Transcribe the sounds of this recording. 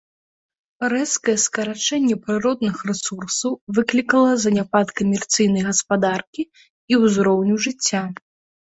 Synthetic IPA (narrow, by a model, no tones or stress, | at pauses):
ɾɛskɐjɛskɐɾat͡ʂɛnʲːɛpɾɨɾɔd̪̚nɨxrɛsursɐwvɨklʲikɐlˠɐzɐnʲapat̪kɐmʲɛrt̪sɨjnɐjɣɐspad̪arkʲi | iwzɾɔwnʲuʐɨt͡sʲːa